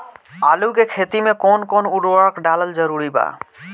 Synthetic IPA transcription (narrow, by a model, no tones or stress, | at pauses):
alukekʰet̪imekonkonuɖakɖaləld͡ʑəɾuɾiba̰